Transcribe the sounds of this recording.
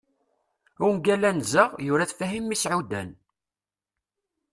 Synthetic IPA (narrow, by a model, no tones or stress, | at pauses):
ʊnɡælænzəʁjʊɾæθfæɦimːisʕud̪æ̰n